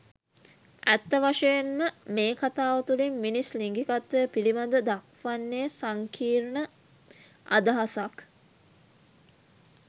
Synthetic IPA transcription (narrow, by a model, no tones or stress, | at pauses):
æt̪ːəʋaʂejenməmeːkat̪aːʋɐt̪ulimːinisliŋɡikat̪ʋəjəpilimad̪əd̪ak̚ʋanːeːsaŋkʰiːɾnə | a̰d̪aɦasak